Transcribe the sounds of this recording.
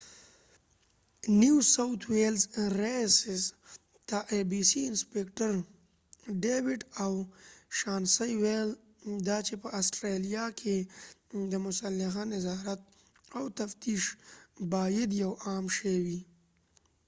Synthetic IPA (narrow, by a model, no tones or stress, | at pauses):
niwsawt̪ʰwelzɾesɪs | t̪aʔebisiɪnspekʈəɾ | ɖewɪʈawʃɑːnsajwel | d̪at͡ʃepəʔasʈɾelijakʰe | d̪əmʊsalːɪxanɪzɑɾat̪̚ | awt̪aft̪iʃbɑjɪd̪jawɑːmʃawi